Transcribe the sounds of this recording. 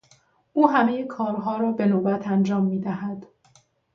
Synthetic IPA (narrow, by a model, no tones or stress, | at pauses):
ʔuːɦæme̞jekʰɒːɾɦɒːɾɒːbe̞noːbæt̪ʰænd͡ʒɒːmːiːd̪æɦæd̪̥